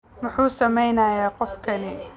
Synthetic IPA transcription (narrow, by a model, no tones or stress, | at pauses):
mʊħuːsɐmɛjnaːjaːqɔfkʰɐnɪ